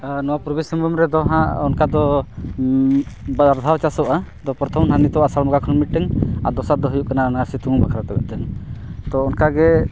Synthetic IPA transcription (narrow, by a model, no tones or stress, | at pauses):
nɔwapuɾbisəmbɔmɾɛd̪ɔɦãʔɔnkad̪ɔ | bad̪aɾd̪ʱawt͡ʃasɔʔad̪ɔpɾɔt̪ʰɔmnanit̪ɔwasalmɔɡakʰɔnmiʈ̚ʈɛŋaɾd̪ɔsat̪̚d̪ɔɦujuʔkananaaɾsit̪uŋubakʰaɾat̪abɛ̰ʔt̪ɛŋt̪ɔɔnkaɡɛ